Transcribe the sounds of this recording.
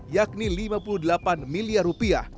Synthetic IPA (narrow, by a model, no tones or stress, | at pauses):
jak̚nilimapuludəlapanmiliarupia̰h